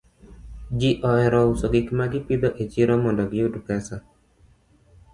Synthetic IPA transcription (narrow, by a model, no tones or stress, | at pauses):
d͡ʒiʔɔɛɾɔusoɡɪkmaɡɪpid̪ɔʔet͡ʃiɾɔmɔndɔɡɪudukɛsa